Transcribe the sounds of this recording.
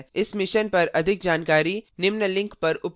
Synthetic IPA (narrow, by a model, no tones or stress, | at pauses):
ɪsmɪʃənpɐɾɐd̪ʱɪk̚d͡ʒaːnkaːɾinɪmnəlɪ̃ŋkpɐɾʊp